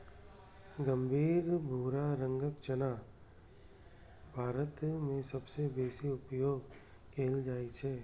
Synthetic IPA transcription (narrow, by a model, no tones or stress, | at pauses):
ɡə̃mbʱiːɾbʱuːɾaɾə̃ŋɡəkt͡ʃənaː | bʱaːɾət̪mẽsɐbsebeːsiʊpjoːɡ | kʰeːld͡ʒaːit͡ʃʰɛː